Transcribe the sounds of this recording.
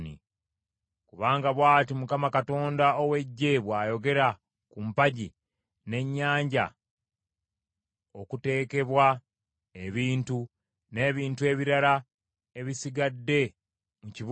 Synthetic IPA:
nḭ | kuβaːŋɡaβwaːtimukamakato̞ːndaowe̞ɟːe̞βwaːjo̞ɡe̞ɾa | kumpaɟi | ne̞ɲːaːɲɟa̰ | okute̞ːke̞βwa | e̞βiːntu | ne̞ːβiːntue̞ːβiɾala | e̞βisiɡadːe̞ | muciβ

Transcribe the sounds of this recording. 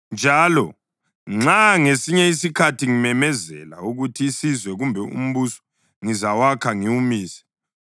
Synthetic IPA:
nd͡ʒʱaːlɔ | ŋ͡ǁaŋesiɲɛisikʰatʰiŋimɛmɛzɛ̰la̰uɣutʰiːsizwɛɣumbʱɛṵm̩βusɔ̥ | ŋizawakʰaŋiwumiːsɛ̥

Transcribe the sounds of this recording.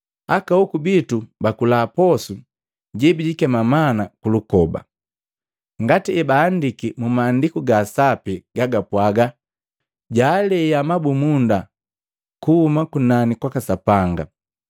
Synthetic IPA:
akaukubitubakulaːpɔsu | ɟɛbiɟikɛmamanakulukɔba̰ | ŋɡatiɛbaːndikimumaːndikuɡasapiɡ̥aɡapwaɡa | ɟaːlɛjamabumunda | kuhumakunanikwakasapaŋɡa

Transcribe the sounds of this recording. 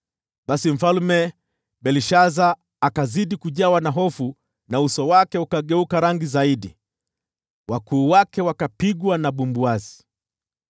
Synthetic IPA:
ɓasim̩falumɛ | ɓɛliʃazaː | kaziɗikuʄawanaɦɔfu | nausɔwakɛukaɠɛukaɾaŋɡizaiɗḭ | wakuːwakɛwakapiɡwanaɓumbuazi

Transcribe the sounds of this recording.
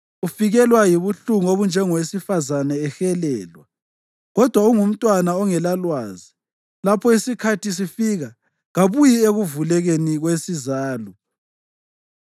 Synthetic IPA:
ufiɣɛlwajiβuɬuŋoβund͡ʒʱɛŋɔwesifazanɛːxɛlɛːlwa̰ | ɣɔd̥ʱwauŋum̩tʼwanaɔŋɛlalwaːzi | lapʰɔisikʰatʰis̬ifiɣa | ɣaβujieɣuvulɛɣeniɣwesizaːlɔ

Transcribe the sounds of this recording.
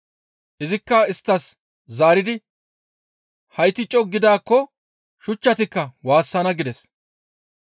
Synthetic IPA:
ʔɪzɪkːɐɪst̪ːɐs | zaːɾɪd̪ɪ | hɐjt̪ːɪt͡ʃʼːɔɡɪd̪aːkːɔ | ʃʊt͡ʃːɐt̪ɪkːɐwaːsːɐnɐɡɪd̪ɛs

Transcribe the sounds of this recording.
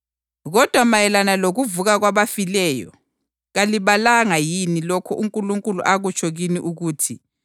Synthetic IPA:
ɣɔd̥ʱwamajɛlanaloɣuvuɣaɣwaβafilɛːjɔ̰ | ɣaliβalaŋajinilɔkʰɔʔuŋkʼuluŋkʼulṵʔaɣut͡ʃʰʼɔɣiniʔuɣuːtʰi

